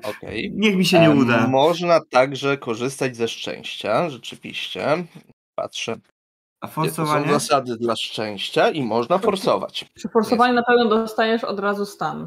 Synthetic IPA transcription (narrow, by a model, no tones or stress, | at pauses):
ɔkɛ̰jɲixmʲiɕɛɲɛud̪amɔʐnat̪aɡʐɛkɔʐɘst̪ad͡ʑzɛʂt͡ʂɛ̰̃w̃ɕt͡ɕaʐɛt͡ʂɘvʲḭɕt͡ɕɛ̰ | pa̰tʂɛ | afɔɾsɔsvaɔɔ̃wzasad̪ɘd̪laʂt͡ʂɛ̃w̃ɕt͡ɕaimɔʐnafɔɾsɔ̰va̰t͡ɕʂɛfɔɾsɔvaɲɛnapɛvnɛd̪ɔst̪ajɛʂɔ̰d̪ɾazust̪an